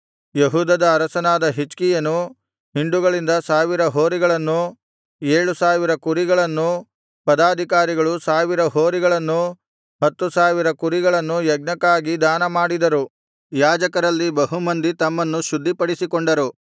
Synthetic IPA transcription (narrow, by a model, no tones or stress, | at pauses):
jeɦuːd̪ɐd̪ɐːɾɐsɐnaːd̪ɐɦit͡ʃkijɐnu | ɦiɳɖuɡɐɭind̪ɐsaːʋiɾɐɦoːɾiɡɐɭɐnːu | eːɭusaːʋiɾɐkuɾiɡɐɭɐnːu | pɐd̪aːd̪ʱikaːɾiɡɐɭusaːʋiɾɐɦoːɾiɡɐɭɐnːu | ɦɐt̪ːusaːʋiɾɐkuɾiɡɐɭɐnːujɐɡ̚nɐkːaːɡid̪aːnɐmaːɽid̪ɐɾu | jaːd͡ʒɐkɐɾɐlːibɐɦumɐnd̪it̪ɐmːɐnːuʃud̪ʱːipɐɽisikoɳɖɐɾu